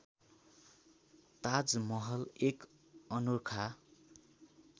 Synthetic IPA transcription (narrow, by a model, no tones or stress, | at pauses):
t̪ad͡zmʌɦʌlek | ʌnurkʰa